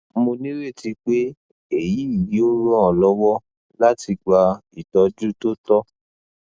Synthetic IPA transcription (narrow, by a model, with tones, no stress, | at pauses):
mo˧nĩ˦ɾe˦˨ti˧˦k͡pe˦ | e˦˨ji˨˦i˦˨ji˨˦o˦ɾɔ̃˦ɔ˨lɔ˧˦wɔ˦ | la˦ti˧ɡ͡ba˧i˨tɔ˧d͡ʒu˦to˦tɔ˦